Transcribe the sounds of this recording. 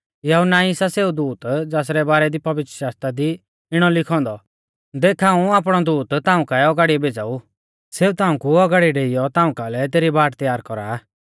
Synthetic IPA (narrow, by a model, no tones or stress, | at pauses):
jɐɦunaɪsaseːud̪uːt̪d͡zaːs̬ɾɛbaːɾɛd̪ipɐʋɪt̪ɾəʃaːst̪ɾad̪i | ɪɽ̃ɔlɪkʰɔ̃ːnd̪ɔ | d̪eːkʰaːũaːp̬ɽ̃ɔd̪uːt̪t̪ãːũkaɛɔɡaɽiɛbeːd͡zaːu | seːut̪ãːũkuɔɡaɽiɖeːɪjɔt̪ãːũkalɛt̪̬eːɾibaːʈt̪jaːɾkɔɾaː